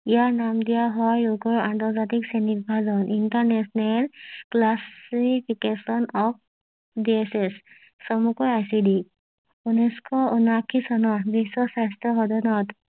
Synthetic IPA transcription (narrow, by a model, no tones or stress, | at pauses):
ijaɹnamdijaɦɔjuɡɔɹantɔɹzatiksɛnibʱazɔnʔintaɹnɛsɔnɛlklasipʰikesɔnɔp̚ʰ | diesesː | ɔmukɔjajsidi | uniskɔunakʰisɔnɔbisɔsastɔxɔdɔnɔt